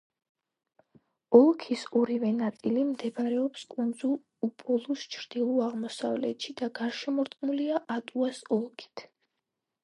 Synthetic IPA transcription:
ɔlˠkʰisɔɾivɛnat̪sʼilimd̪ɛbɾɛɔpskʼund̪zulˠ | upʼɔlˠust͡ʃʰɾd̪̥ilˠuaʁmɔsavlɛ̰t̪ʃid̪̥aɡaɾʃɛmɔɾt̪ʼqʼnuliaʔat̪ʼuasɔlˠkʰi̥t̪ʰ

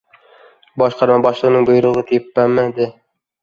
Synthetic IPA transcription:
bɒʃqɑɾmɑbɒʃlˠɤʁɤnɤŋbojɾoʁɤt̪ʰepːæmæd̪ɪ

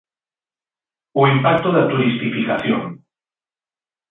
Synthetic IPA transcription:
oimpak̚t̪oðat̪uɾist̪ifikaθjo̰ŋ

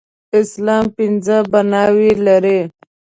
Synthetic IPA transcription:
ɪslɑːmpinzəbanɑwilaɾe

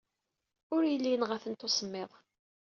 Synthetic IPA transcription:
ʊɾjəlːinʁəθənt̪osˤəmːeðˤ

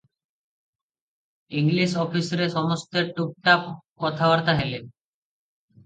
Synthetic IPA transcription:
iŋliʃɔfisɾeʃɔmost̪eɾʈuk̚ʈakɔt̪ʰaoaɾt̪aɦele

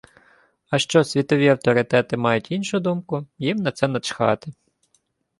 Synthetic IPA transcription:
ɐʃt͡ʃɔsʲʋʲit̪ɔʋʲiɐwt̪ɔɾɪt̪ɛt̪ɪmɑjʊtʲinʃʊd̪umkʊjimnɐt̪sɛnɐt͡ʃxɑ̰t̪ɪ

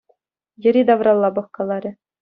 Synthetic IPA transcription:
jɘ̆ɾʲid̪ɑʋrɑlˠːɑbɤ̆χkɑlˠɑɾʲɘ̆

